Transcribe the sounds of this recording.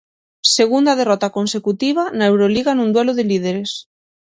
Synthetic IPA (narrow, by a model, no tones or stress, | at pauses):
seɣund̪að̞erɔt̪akonsekut̪iβ̞anaewɾoliɣanũnd̪wɛloðelið̞eɾes